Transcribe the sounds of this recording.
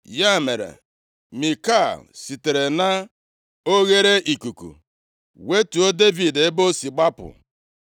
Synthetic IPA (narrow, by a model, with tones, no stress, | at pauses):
ja˦˨me˨ɾḛ˨ | mi˨ka˦˨lsi˨te˨ɾe˨na˦ | o˦ɣe˦ɾe˦ʔi˨ku˨kṵ˨ | we˦tu˨o˦de˦vi˨de˦bo˦si˨ɡ͡ba˦pʊ̰˨